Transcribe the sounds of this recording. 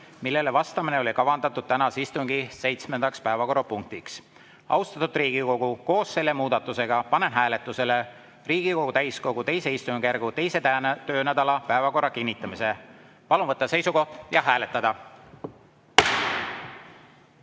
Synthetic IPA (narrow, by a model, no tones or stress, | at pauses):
milːe̞levɑst̪ɑmineo̞likɑvɑnd̪ɑt̪ːˑud̪̥̚t̪ænɑsist̪uŋɡ̥ise̞jt̪sme̞nd̪̥ɑkspæevɑko̞ɾupuŋk̚t̪iks | ɑ̰wst̪ɑt̪ud̪riːɡ̥iko̞ɡ̥uko̞ːsːe̞lːe̞muːd̪ɑt̪ːˑuse̞ɡ̥ɑpɑne̞nɦæːle̞t̪ːˑuse̞le | riːɡ̥iko̞ɡ̥ut̪æjsko̞ɡut̪e̞jse̞ist̪uŋkærɡ̥ut̪e̞jse̞t̪æt̪ø̞ːnæd̪ɑlɑpæevɑko̞rːɑkinʲːit̪ːˑɑmise̞ | pɑlunvɤt̪ˑːɑse̞jsuko̞ht̪jɑɦæːle̞t̪ːˑɑd̪̥ɑ